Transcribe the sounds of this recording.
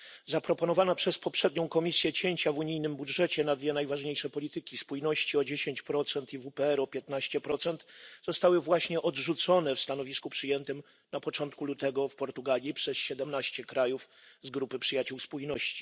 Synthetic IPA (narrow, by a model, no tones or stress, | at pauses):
zapɾɔpɔnɔvanapʂɛspɔpʂɛd̪ɲɔ̃w̃kɔmʲisʲjɛt͡ɕeɲt͡ɕavuɲijnɘmbudʐɛt͡ɕɛnad̪vʲjɛnajvaʐɲejʂɛpɔlʲit̪ɘkʲispujnɔɕt͡ɕiɔd͡ʑeɕeɲt͡ɕpɾɔt̪sɛnt̪ivupɛɛɾɔpʲjɛt̪naɕt͡ɕɛpɾɔt̪sɛnt̪zɔst̪awɘvwaɕɲɛʔɔd̪ʐut̪sɔnɛfst̪anɔvʲiskupʂɘjɛnt̪ɘm | napɔt͡ʂɔnt̪̚kulut̪ɛɡɔfpɔɾt̪uɡalʲjipʂɛsɕɛd̪ɛmnaɕt͡ɕɛkɾajufzɡɾupɘpʂɘjat͡ɕuwspujnɔɕt͡ɕi̥